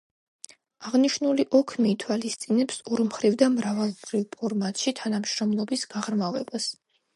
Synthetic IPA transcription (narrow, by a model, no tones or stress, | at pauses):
aʁniʃnuliʔɔkʰmiːt̪ʰwalist̪sʼinɛpsɔɾmχɾivd̪amɾavalˠbɾivpʰɔɾmat̪ʼʃit̪ʰanamʃɾɔmlˠɔbisɡ̥aʁɾmavɛbas